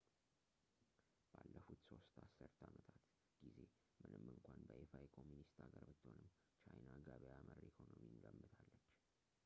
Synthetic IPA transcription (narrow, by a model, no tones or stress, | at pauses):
b̥alːəfut̪so̞st̪asːɨɾt̪ʰamət̪ʰat̪ | ɡ̥ize | mɨnɨmɨŋkʷʰanbəʔefaekʰo̞mːunist̪aɡəɾbɨt̪ːhonɨm | t͡ʃʰajnaɡaβejaməɾikʰo̞nomiɨŋɡəmːɨt̪ʰalːət͡ʃː